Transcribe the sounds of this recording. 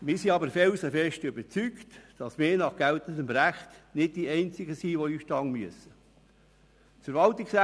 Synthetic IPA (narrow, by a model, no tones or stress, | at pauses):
mɪːsiɑbəɾfɛlsəfɛʃtʏbət͡syktd̥ɑsmɪːnɑχɡ̥ælt̪əndəmɾæχtnɪd̚d̥iɛɪnt͡sɪɡəsiːʋoyːʃtɑːŋmyəsə | tfəɾʋɑltɪksæ